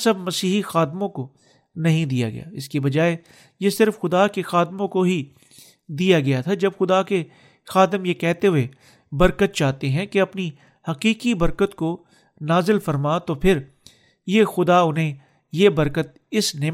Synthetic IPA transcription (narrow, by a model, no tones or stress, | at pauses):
sɐbmɐsiːɦixaːd̪mõko | nɐɦĩd̪ija̰ɡɐ̰ja̰ɪ̰skebɐd͡ʒaːe | jesɪɾfxʊd̪akexaːd̪mõkoɦi | d̪ijaɡɐjat̪ʰad͡ʒɐbxʊd̪ake | xaːd̪əmjekɛɦt̪eɦʊe | bɐɾkət̪̚t͡ʃaːt̪eɦɛ̃keɐpni | hɐqiːqibɐɾkət̪ko | naːzɪlfɐɾmat̪opʰɪɾ | jexʊd̪aʊnɦẽ | jebɐɾkət̪̚ | ɪsne